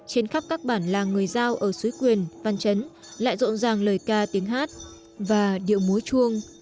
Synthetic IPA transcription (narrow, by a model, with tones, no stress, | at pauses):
t͡ɕe˧nxa˦˥p̚kaː˦˥k̚ɓaː˧˩nlaː˨˩ŋɨ˨˩əjzaː˧wʔəː˧˩su˨˦jkwi˨˩ənva˧nt͡ɕə˨˦n | la̰ː˧˨jzo̰˧˨nzaː˨˩ŋləː˨˩jkaː˧t̪i˨˦əŋɦaː˦˥t̚ | vaː˨˩ɗḭ˧˨əwmu˨˦jt͡ɕu˧əŋ